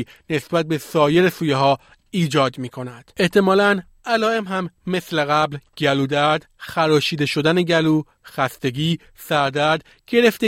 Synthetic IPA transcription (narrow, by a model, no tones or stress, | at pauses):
ne̞sbæt̪̚be̞sɒːje̞ɾesuːjeɦɒː | iːd͡ʒɒːd̪miːkʰo̞næd̪̥e̞ht̪ʰe̞mɒːlæn | ælɒːe̞mɦæmːe̞sleɣæblɟæluːd̪æɾd̪̥xæɾɒːʃiːd̪e̞ʃo̞d̪æneɟæluː | xæst̪e̞ɟiː | sæɾd̪æɾd̪ | ɟe̞ɾe̞ft̪e